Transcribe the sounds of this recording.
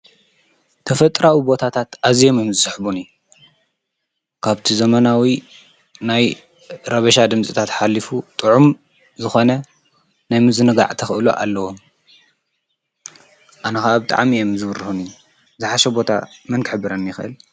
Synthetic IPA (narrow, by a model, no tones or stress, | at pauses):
t̪ʰɐfɐt̪ʼɾawibo̞t̪ʰat̪ʰat̪ʔazijomjomzɨsɨħbuniju | kʰaβt̪ʰizɐmɐnawi | naj | ɾɐβɐʃad̪ɨmt͡sʼit̪ʰat̪ħalːifut̪ʼɨʕum | zɨxo̞nɐ | najmɨzɨnɨɡa̰ʕt̪ʰɐxɨʔɨluʔa̰lːɐwom | ʔanɐxaʔabɨt̪ʼa̰ʕmijomzɨβɨrɨhunij | zɨħaʃɐbo̞t̪ʰa̰mɨnkħɨbɨɾɐnjɪxɨʔɨ̰l